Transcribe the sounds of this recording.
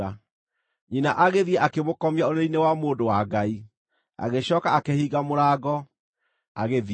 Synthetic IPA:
a | ɲinaʔaɣeðiɛʔakemokɔmiaoneinewamoːdowaɡai | a̰ɣeɕɔːkaakehiːɣamoɾaːɡɔ | aɣeð

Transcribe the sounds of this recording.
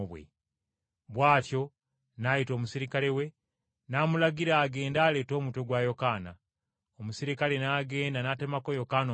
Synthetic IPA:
βwḛ | βwaːtjo̞ | najito̞ːmusiɾikalewe̞ | namulaɡiɾaːɡe̞ːndaːle̞ːto̞ːmuto̞ɡwajo̞kaːna | omusiɾikale̞naːɡe̞ːndanatemakojo̞kan

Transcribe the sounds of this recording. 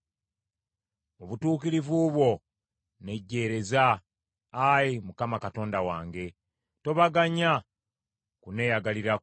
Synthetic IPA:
oβutuːkiɾivuβwo̞ | ne̞ɟːe̞ːɾe̞zaː | jimukamakato̞ːndawaːŋɡe̞ | to̞βaɡaɲa | kune̞ːjaɡaliɾa

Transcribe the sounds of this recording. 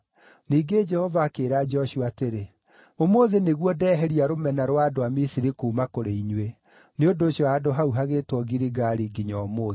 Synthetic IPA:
niːɡed͡ʒɛhɔvaːkeːɾaːd͡ʒɔɕuaːteɾe | omoðeneɣwɔdɛːɦɛɾiaɾomɛnaɾwaːdoamisiɾikuːmakoɾeiɲwe | neondoːɕjɔadoɦauɦaɣetwɔɡiɾiɡaɾiɡiɲɔmoːðe

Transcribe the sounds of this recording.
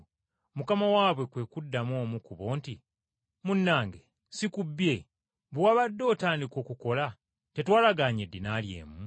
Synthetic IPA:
mukamawaːβwe̞kwe̞ːkudːamo̞ːmukuβo̞ːnti | munːaːŋɡe̞ | sikubːje̞ | βwaβadːo̞ːtaːndiko̞ːkuko̞la | te̞twaːlaɡaːɲedːinaːlje̞̰ːmu

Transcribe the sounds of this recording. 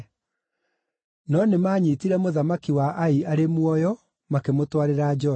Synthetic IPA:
nɔnemaːɲitiɾɛmoðamakiwaʔaiaɾemwɔjɔ | makemotwaɾeɾad͡ʒɔ

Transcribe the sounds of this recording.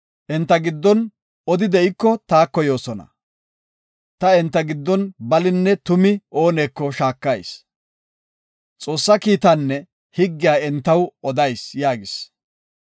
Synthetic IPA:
ʔɛnt̪ːɐɡɪd̪ːɔn | ɔd̪ɪd̪ɛɪkːɔt̪aːkːɔjo̞ːsɔnɐ̰ | t̪ɐɛnt̪ːɐɡɪd̪ːɔnbɐlɪnːɛt̪ʊmɪʔo̞ːneːkːɔʃaːkːɐjs | t͡sʼo̞ːsːɐkiːt̪ɐnːɛ | hɪɡːɪjaːɛnt̪ːɐwɔd̪ɐjsjaːɡɪs

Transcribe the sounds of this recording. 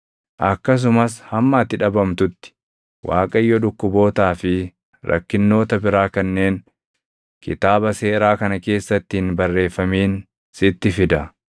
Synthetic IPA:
ʔɐkːɐs̬ʊmɐs̬hɐmːaːt̪ːɪᶑɐbɐmt̪ʊt̪ːɪ̥ | wʔa̰ːkʼɐɪjːɔᶑʊkːʊbo̞ːt̪aːfɪ | ɾʔɐ̰kːɪnːo̞ːt̪ɐbɪɾaːkɐnːeːn | kʰɪ̰t̪aːbɐse̞ːɾaːkɐnɐke̞ːsːɐt̪ːɪhɪnbɐrːe̞ːfːɐmiːn | sɪt̪ːɪfɪd̪ɐ

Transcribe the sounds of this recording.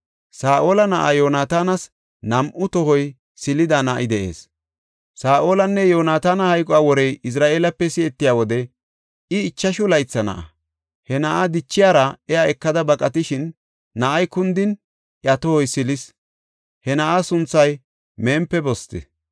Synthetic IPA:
saːʔoːlɐnɐʔajoːnaːt̪aːnɐs | nɐmʔʊt̪ɔɦɔj | sɪlɪd̪anɐʔɪd̪ɛʔe̞̰ːs | saːʔo̞ːlɐnːɛjoːnaːt̪aːnɐhɐjkʼɔaːwɔɾɛjɪs̬ɾaːʔe̞ːlɐpːɛsɪɛt̪ːɪjaːwɔd̪ɛ | ɪːt͡ʃːɐʃʊlɐjt͡sːɐnɐ̰ʔɐ̰ | hɛnɐʔad̪ɪt͡ʃːɪjaːɾɐɛjaɛkːɐd̪ɐbɐkʼɐt̪ɪʃɪnː | ɐʔɐjkʊnd̪ɪn | ʔjɐt̪ɔhɔjsɪlɪs | hɛnɐʔasʊnt͡sːɐj | meːmpːɛbɔst̪ɛ̰

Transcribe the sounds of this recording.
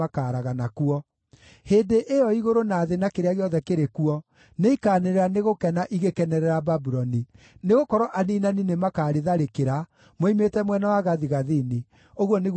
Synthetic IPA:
akaːɾaɣanakuɔ | heːndeʔejɔiɣoɾonaːðenakeɾeaɣeɔðɛkeɾekuɔ | neikaːneɾɛɾaneɣokɛnaʔiɣekɛnɛɾɛɾababuɾɔni | neɣokɔɾɔʔaninaninemakaːɾeðaɾekeɾa | moimetɛmwɛnawaɣaðiɣaðini | oɣwɔneɣ

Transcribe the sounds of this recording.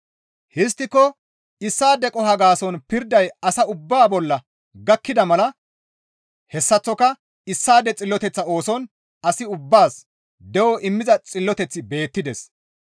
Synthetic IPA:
hɪs̬t̪ːɪkːɔ | ɪsːaːd̪ɛkʼɔɦɐɡaːsɔnpɪɾd̪ɐjɐsɐʊbːaːbɔlːɐ | ɡɐkːɪd̪ɐmɐlɐ | hɛsːɐt͡sːɔkɐ | ɪsːaːd̪ɛt͡sʼɪlːɔt̪ɛt͡sːɐo̞ːsɔn | ɐsɪʊbːaːs | d̪ɛwɔʔɪmːɪzɐt͡sʼɪlːɔt̪ɛt͡sːɪbe̞ːt̪ːɪd̪ɛs

